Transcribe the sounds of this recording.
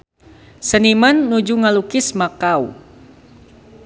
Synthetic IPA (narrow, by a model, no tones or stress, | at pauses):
sənimanːud͡ʒuŋalukɪsmakaw